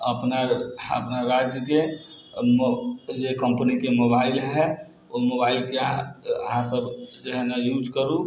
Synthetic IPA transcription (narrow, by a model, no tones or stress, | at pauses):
əpnaə̰pnaɾad͡ʒke | mod͡ʒekəmpnikemobailɦɛ | omobailkeaə̰ɦãsəbd͡ʒeɦnajud͡ʒkəɾu